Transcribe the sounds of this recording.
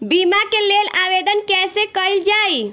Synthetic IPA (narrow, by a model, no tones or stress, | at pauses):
bimakeleːlaʋed̪ənkɛːsekəld͡ʒaːi